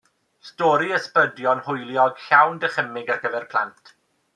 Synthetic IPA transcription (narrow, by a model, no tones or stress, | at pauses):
stɔːɾiəspədjɔnhʊjlˠjɔɡ̥ɬawndəχəmɪɡarɡəvɛrpʰlˠa̰ntʰ